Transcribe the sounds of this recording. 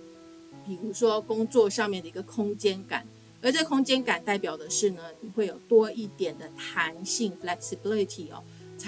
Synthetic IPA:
pi˨˩ɻu˧˥ʂwɔ˦kʊ˥ŋt͡swɔ˥˧ʂɑ˥˧ŋmjnd̪ə˩i˧˥ɡə˨kʰʊ˥ŋt͡ɕjɛ˥nka̰˨˩˦n | ə˞˧˥ʈ͡ʂɤ˥˩kʰʊ˥ŋt͡ɕjɛ˥nka˨˩nt̪a˥˩ɪpjɑ˨˩ʊd̪ə˦ʂɻ̩˥˩nə˩ni˨˩xwe˥˩ɪjo˨˩ʊt̪wɔ˥i˥˩t̪jɛ˨˩nd̪ə˦t̪ʰa˧˦˥nɕi˥˩ŋflɛ˧ksi˨˧bi˥˦˥li˧t̪ʰi˨˩ɐ̰˨˩˦ | t͡sʰ

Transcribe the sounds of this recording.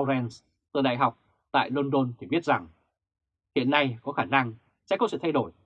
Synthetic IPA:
zɛ˧ns | t̪əː˧˩ɗa̰ː˧˨jɦa˨˩wk͡p̚ | t̪a̰ː˧˨jlo˧nɗo˧nt̪ʰi˨˩ɓi˦˥ət̚z̥a˨˩ŋ | hḭ˧˨ənːa˧jkɔ˨˦xaː˧˩na˧ŋ | sɛ̰˧˥kɔ˨˦sɨ̰˧˨t̪ʰjɗo˧˩j

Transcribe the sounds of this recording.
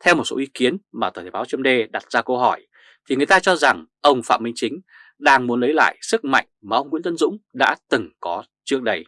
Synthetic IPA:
t̪ʰɛ˧wmo˨˩t̚so̰˨˦ʔi˨˦ki˨˦ənmaː˨˩wəː˨˩tʰːɓaː˨˦wt͡ɕŋ͡mɗe˧ɗa˨˩t̚zaː˧kə˧wɦɔ˧˩j | t̪ʰi˨˩ŋɨ˨˩əjt̪aː˧t͡ɕɔ˧za˨˩ŋʔə˧wŋ͡mfa̰˧˨mï˧ŋ̟t͡ɕï˨˦ŋ̟ | ɗaː˧ŋmu˨˦ənlə˨˦jla̰ː˧˨jsɨ˦˥k̚ma̰˧˨jŋ̟maː˨˩ʔə˧wŋ͡mŋwḭ˧˥nt̪ə˧nzʊ̰˧˥ŋ͡mɗa̰ː˧˥t̪ɨ˨˩ŋkɔ˨˦ | t͡ɕɨ˦˥ək̚ɗə˧j

